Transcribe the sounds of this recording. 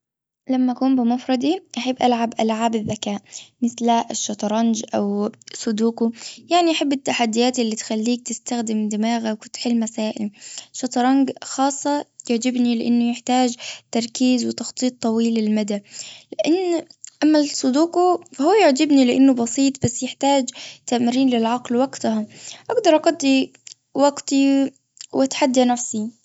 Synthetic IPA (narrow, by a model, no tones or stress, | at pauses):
lamːaʔakuːmbɪmʊfɾˤɑd̪ˤiʔaħabːʔalʕabʔalʕaːbɪðːakaːʔmɪθlaʔʃːɑt̪ˤɾˤɑnd͡ʒʔawsˤʊd̪uːkʊjaʕniʔaħabːɪt̪ːaħad̪ːɪjaːt̪ʔɪlːit̪xalːiːk̚t̪ɪst̪axd̪ɪmd̪ɪmaːɣawkʊnt̪ħɪlːmasaːʔɪlʃɑt̪ˤɾˤɑŋɡxɑːsˤːɑjʊʕd͡ʒɪbnilɪʔɪnːʊjɪħt̪aːd͡ʒt̪ɑɾˤkiːzwɪt̪ɑxt̪ˤiːt̪ˤːɑwiːlɪlmad̪alɪʔɪnːʔamːasˤʊd̪uːqufahuːjʊʕd͡ʒɪbnilɪʔanːʊbɑsˤiːt̪ˤbasːjɪħt̪aːd͡ʒt̪aʔmɪɾiːnlɪlʕɑqlwaɡt̪aɦaʔaɡd̪ɑɾˤʔɑɡɑd̪ːi | waɡt̪i | wat̪ħad̪ːanafsi